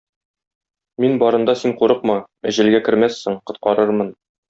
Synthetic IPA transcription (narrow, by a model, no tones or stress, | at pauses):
minbɒɾɤ̆nd̪ɑsinquɾɤq̚mɑ | æ̆ʑɘ̆lɡækɘ̆ɾmæsːɘɴqŏt̪̚qɑɾɤɾmɤn